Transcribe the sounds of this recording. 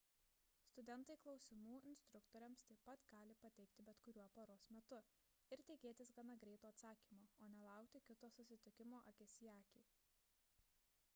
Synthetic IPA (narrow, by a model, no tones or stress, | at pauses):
st̪ʊd̪ʲɛnˑt̪ɐɪklˠɒʊsʲɪmuːɪnʲsʲt̪ɾʊkt̪oːɾʲɛmst̪ɐɪpɐt̪ɡ̥ɑːlʲɪpɐt̪ʲɛɪkt̪ʲɪbʲɛt̪kʊɾʲuɔpoːɾoːsmʲɛt̪ʊ | ɪɾt̪ʲɛɪkʲeːt̪ʲɪsɡɐnɐɡɾʲɛɪt̪uːɐt̪sɑːkʲiːmoːoːnʲɛlˠɑˑʊkt̪ʲɪkʲɪt̪oːsʊsʲɪt̪ʲɪkʲɪmoːʔɐkʲɪsʲɪjæːkʲiː